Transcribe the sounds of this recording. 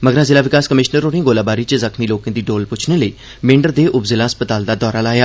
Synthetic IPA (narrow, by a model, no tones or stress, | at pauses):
məɡɾaːzɪlaːʋɪkaːskəmɪʃnəɾoːnɪ̃ːɡoːlaːbaːɾiːt͡ʃəzəkʰmiːloːkãːd̪iːɖoːlpʊt͡ʃʰneːləiː | mɪ̃ɳɖəɾd̪eːʔʊbzɪlaːəspət̪aːld̪aːd̪ɔːɾaːlaːjaː